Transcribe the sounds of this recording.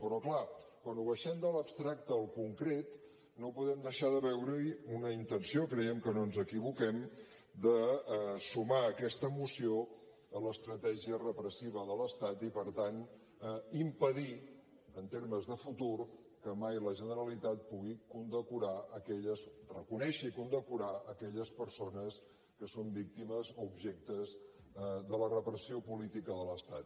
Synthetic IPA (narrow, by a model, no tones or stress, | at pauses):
pɾɔklakwanuβəʃɛmd̪ələpst̪ɾak̚t̪əːlˠkuŋkɾet̪ | nopuðɛmd̪əʃaðəβɛwɾəunəint̪ənsiokɾɛjɛmkənonzəkiβukɛm | d̪əsumaəkɛst̪əmusio | ələst̪ɾət̪ɛʒiərəpɾəsiβ̞əðələst̪at̪ipəɾt̪an | impəði | ənt̪eɾməzðəfut̪uɾ | kəmajləʒənəɾəlit̪at̪̚puɣikund̪əkuɾaəkɛʎəzrəkunɛʃikund̪əkuɾaəkɛʎəspəɾsonəs | kəsombik̚t̪iməzoubʒɛk̚t̪əz | ðələrəpɾəsiopulit̪ikəðələst̪at̪̚